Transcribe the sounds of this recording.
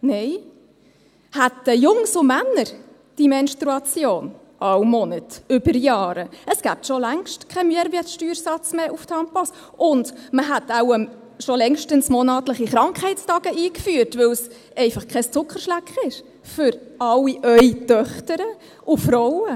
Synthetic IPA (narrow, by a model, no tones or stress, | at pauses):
nɛɪ | hætəjʊŋsʊmænːəɾ | d̥imɛnst̪ɾuɑt͡sjoːn | ʔɑwmɔnətʏbəɾjɑːɾəəsɡ̥æːp̚tʃɔlæŋʃtkʰɛmyəɾʋiətʃtyːɾsɑt͡smeːʔufthɑmpɔs | ʔʊndməɦætawə | ʃɔlɛŋʃtənsmɔnɑːtləχiχɾɑŋkχhɛɪtstɑɡ̥əʔiːkfyːəɾtvɵws | ɛɪfɑχkʰɛst͡sʊkəɾʃlækχɪʃ | fʏɾɑlːiʔœʏtœχtəɾə | ʔʊfɾɔwə